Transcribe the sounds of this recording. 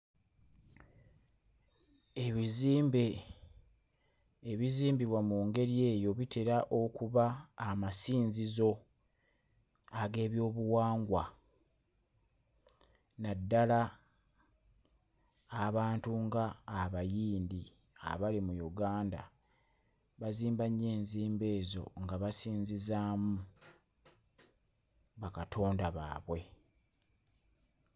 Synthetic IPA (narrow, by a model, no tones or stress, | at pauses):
e̞βiziːmbe | βiziːmbiβwamuːŋɡe̞ɾie̞ːjo̞βite̞ɾaʔo̞kuβaːmasiːnzizo̞ | aɡe̞ːβjo̞ːβuwaːŋɡwa | nadːala | βaːntuŋɡaːβajiːndi | a̰βalimujuɡaːnda̰ | βaziːmbaɲːe̞ːnziːmbe̞ːzo̞̰ŋɡaβasiːnzizaːmu | βakatʰo̞ːndaβa̰ːβwe̞